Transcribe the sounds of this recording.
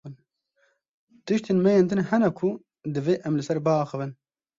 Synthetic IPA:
ɨn | t̪ɨʃt̪eːnmɛjend̪ɨnhɛnɛkʰʊ | d̪ɨveːʔɛmlɨsɛɾbɨɑːxɨvɨn

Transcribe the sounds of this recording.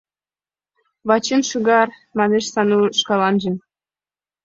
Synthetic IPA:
βɑt͡ɕinʃɨɣɑr | mɑneʃsɑnuʃkɑlˠɑnʒɤ̆

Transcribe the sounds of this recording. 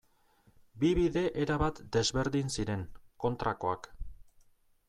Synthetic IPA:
biβiðe̞ʔeɾaβat̪d̪e̞zβe̞ɾðinsiɾe̞ŋko̞nt̪ɾako̞ak

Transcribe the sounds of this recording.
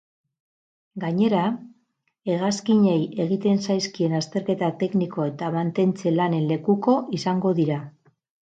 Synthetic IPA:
ɡaɲe̞ɾa | e̞ɣ̞askiɲe̞je̞ɣ̞it̪e̞nsajskie̞nast̪e̞ɾke̞t̪at̪e̞kniko̞e̞t̪amant̪e̞nt͡se̞lane̞nle̞kuko̞ʔisaŋɡo̞ðiɾa

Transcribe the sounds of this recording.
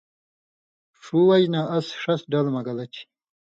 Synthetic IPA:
ʂuwɐjnaɐsʂɐsɖɐlmɐɡɐlɐt͡ɕʰi̥

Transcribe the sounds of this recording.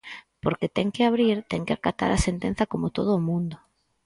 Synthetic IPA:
poɾket̪ɛŋkɪaβ̞ɾiɾt̪ɛŋkeakat̪a̰ɾasent̪en̟θakomot̪oð̞ʊːmũnd̪o

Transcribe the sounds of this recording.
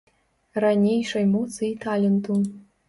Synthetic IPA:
ranʲejʂɐjmut͡sɨjt̪ʰalʲɤ̆nt̪un

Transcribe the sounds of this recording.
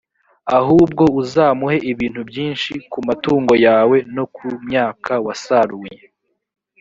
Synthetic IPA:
ahuːb̚ɡo̞uzaːmuhe̞ʔiβiːn̥hubjiːnʃikumatuːŋɡo̞jaːwe̞no̞kumɲaːkʰawasaɾuje

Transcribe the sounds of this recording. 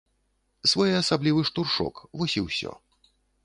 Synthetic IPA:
svɔjɛasablʲivɨʂt̪urʂɔ̰kvɔsʲiwsʲɔ̰

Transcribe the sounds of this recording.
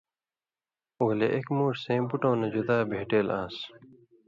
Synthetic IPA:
oːleʔekmuːʈsẽːbuʈõːnɐd͡ʑud̪aːbʱeːʈeːlaːs

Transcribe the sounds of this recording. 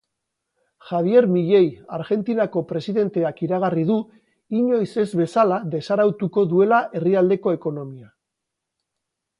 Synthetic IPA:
ʝaβ̞je̞ɾmiʎe̞jaɾɣe̞nt̪inako̞pɾe̞siðe̞nt̪e̞akiɾaɣ̞ariðu | iɲo̞jse̞zβe̞salaðe̞saɾawt̪uko̞ðue̞laʔe̞riald̪e̞ko̞e̞ko̞no̞mia

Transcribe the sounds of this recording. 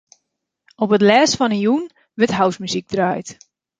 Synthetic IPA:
opətlɛːsfɔnəjun | ʋətɦawsmyzik̚draːjt

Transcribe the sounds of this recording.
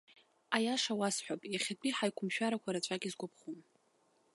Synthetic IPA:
ajaʂawasħʷᶣapʼjaχʲapʰʼiħajkʷʰʊmʃᶣaɾakʷʰaɾat͡ʃʷʼaɡʲʼizɡʷʊpʰχum

